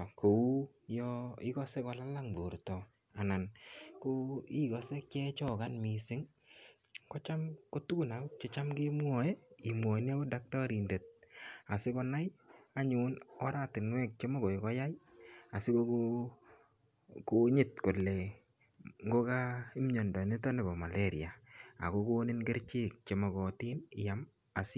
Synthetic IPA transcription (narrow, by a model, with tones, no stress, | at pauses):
ko˨u˦ | jɔ˦ɪ˦kɔ˦se˦kɔ˧la˦la˦ŋbo˨ɾtɔ˨ | a˨na˨nko˦i˦kɔ˨se˦k̚t͡ʃɛ˦t͡ʃɔ˦˨ka˦nmi˨sɪ˦ŋ | kɔ˦t͡ʃa˦mko˦tu˦ɡu˨na˨u˦t͡ʃe˦t͡ʃa˦mɡe˦mwɔ˨ɛ˦i˨mwɔ˨˦n˦a˦bo˦da˦k̚tɔ˦ɾi˨nde˨t̚a˨sɪ˦kɔ˧na˦ja˦ɲu˨˦nɔ˦ɾa˦tɪ˨nwɛ˦k̚t͡ʃe˦ma˦ɡo˨i˨kɔ˦ja˦ja˨sɪ˦ko˦ko | ko˦ɲɪ˦˨t̚ko˨lːe˨ | ŋɡo˦ka˦i˦mɲɔ˨ndɔ˨nɪ˦tɔ˦ne˨bɔ˨ma˨lʔe˦ɾḭ˨a˨a̰˨ko˦ko˦nɪ˦nɡe˦ɾt͡ʃi˦k̚t͡ʃe˨˦mɔ˨ɡɔ˨ti˦nɪ˨ja˨m | a˨sɪ˦